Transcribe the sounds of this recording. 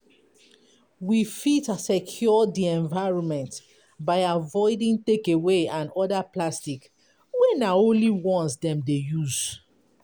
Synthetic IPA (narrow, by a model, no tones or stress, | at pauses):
wifitsɛkʰjɔdiɛ̃ɱvaɪɹɔ̃nmɛ̃nt | baɪavɔɪdĩŋtekeweãnɔdaplastik | wɛnaõnliwɔ̃nsdɛ̃mdejuz̥